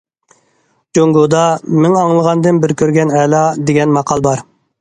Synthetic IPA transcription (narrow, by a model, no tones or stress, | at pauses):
d͡ʒoŋɡod̪ɑmɪŋɑŋlˠəʁɑnd̪ɨnbɪɾkʲøɾɡʲɛnɛlˠɑd̪eɡʲɛnmɑqʰɑlˠbɑɾ